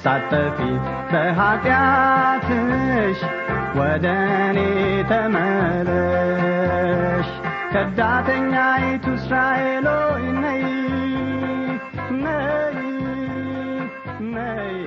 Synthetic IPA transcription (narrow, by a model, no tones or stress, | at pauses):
sat̪ʼːəfi | bəɦat̪ʼjat̪ʰɨʃ | wɔd̪ənet̪ʰəmələ | ʃ | kʰəd̪ːat̪ʰəɲːajit̪ʰusɾaeloinːəj | nːəj | nːəj